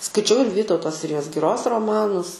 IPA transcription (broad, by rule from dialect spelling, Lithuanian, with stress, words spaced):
skɐɪˈt͡ʃʲɛʊ ɪr ˈʋʲiːtɐʊtoː ˈsʲɪrʲɪjoːs ɡʲɪˈroːs roːˈmɑːnʊs